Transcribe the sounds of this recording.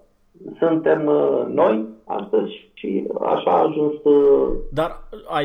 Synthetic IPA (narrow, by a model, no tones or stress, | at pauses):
sɨnt̪emnoja̰st̪əzʲʃḭa̰ʃaːʒunst̪d̪aɾa